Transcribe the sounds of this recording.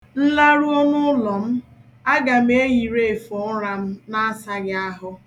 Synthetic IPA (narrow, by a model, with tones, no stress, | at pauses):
n̩˦la˦ɾu˦o˦nʊ˦ʊ˦lɔ˨m̩˦ | a˦ɡa˨m̩˦e˦ji˨ɾe˨e˨fɔ˦ɾa˨m̩˦na˦a˦sa˦ɡɪ˦a˦ɦʊ˦